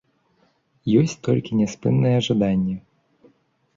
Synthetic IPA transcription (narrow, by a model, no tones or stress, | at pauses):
jɔsʲt͡sʲt̪ɔlʲkʲinʲɛspɨnːɨjɛʐad̪anʲːɐ